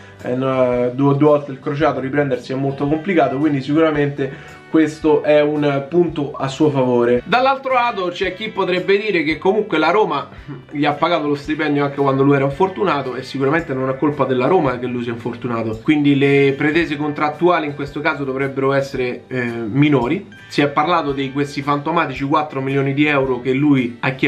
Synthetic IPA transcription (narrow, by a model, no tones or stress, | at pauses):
ɛnd̪uod̪uɔlt̪eilkɾot͡ʃaːt̪oɾipɾɛnd̪eɾsiɛmːolt̪okomplikaːt̪okwind̪isikuɾament̪e | kwest̪oʔɛunpunt̪oasːuːofavoːɾed̪alːalt̪ɾolaːt̪ot͡ʃoɛk̟ːipːot̪ɾɛbːed̪iːɾekekːomuŋkwelaɾoːma | ʎiapːaɡaːt̪olost̪ipɛnd̪joaŋk̟ekwand̪olujɛɾaiɱfort̪unaːt̪oesːikuɾament̪enonakːolpad̪elːaɾoːmak̟elːujsiɛiɱfort̪unaːt̪okwind̪ilepɾet̪ɛːzekont̪ɾat̪ːuaːliiŋkwest̪okaːzod̪ovɾɛbːeɾoɛsːeɾeminoːɾi | siɛpːarlaːt̪od̪ejkwest̪ifant̪omaːt̪it͡ʃikwat̪ːɾomiljoːnid̪iɛwɾok̟elːuiakːɛ